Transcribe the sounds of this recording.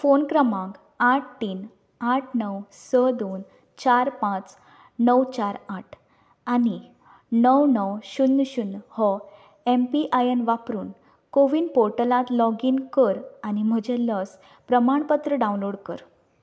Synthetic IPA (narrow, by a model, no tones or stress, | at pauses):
fonkɾəmãɡ | aʈ̚ʰt̪iːn | aʈʰnəwsəd̪on | t͡ɕaɾpãt͡s | nəwt͡ɕaɾaʈʰ | ani | nəwnəwɕunːɕunːhɔ | empiʔajənʋapɾuːn | koʋiːnpoɾʈəlãt̪lɔɡiːnkəɾañim̤əd͡ʑɛləs | pɾəmaɳpət̪ɾəɖãw̃nloɽkəɾ